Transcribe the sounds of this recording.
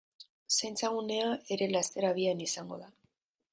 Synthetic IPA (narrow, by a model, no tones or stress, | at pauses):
sejnt͡saɣune̞ae̞ɾe̞last̪e̞ɾaβianisaŋɡo̞̰ða